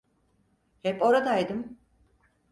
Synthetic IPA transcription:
hɛpo̞ɾad̪ajd̪ɯm

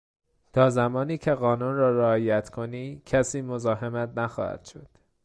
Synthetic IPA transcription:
t̪ʰɒːzæmɒːniːcʰe̞ɣɒːnunrɒːɾeɒːjæt̪ʰkʰo̞niːcʰæsiːmozɒːɦemæt̪næxɒ̰ːhæ̰d̪̥ʃod̪̥

